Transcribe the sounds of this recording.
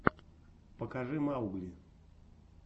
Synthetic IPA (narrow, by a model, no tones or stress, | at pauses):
pəkaʐɨmauɡlʲi